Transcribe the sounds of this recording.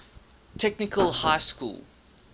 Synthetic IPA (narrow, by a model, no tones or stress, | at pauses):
tʰɛknɪkʰəlˠhaɪskṵːlˠ